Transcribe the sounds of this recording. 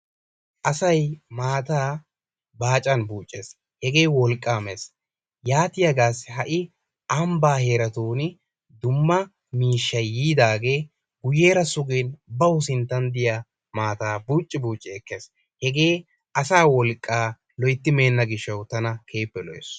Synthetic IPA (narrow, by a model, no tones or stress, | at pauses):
ʔɐsɐjmaːt̪aː | baːt͡ʃʼɐnbuːt͡ʃʼːeːs | hɛɡe̞ːwɔlkʼːaːmes | jaːt̪ɪjɐɡaːshɐʔɪ | ʔɐmbaːheːɾɐt̪uːn | d̪ʊmːɐ | miːʃːɐjːiːd̪aːɡe̞ː | ɡʊjeːɾɐsʊɡeːnbɐwʊsɪnt̪ːɐnd̪ɪja | maːt̪aːbuːt͡ʃʼːɪbuːt͡ʃʼːɪɛkːeːs | hɛɡe̞ː | ʔɐsaːwɔlkʼːaː | lɔjt̪ːɪme̞ːnːɐɡɪʃːɐwt̪ɐnɐkʰeːpːɛlɔjḛs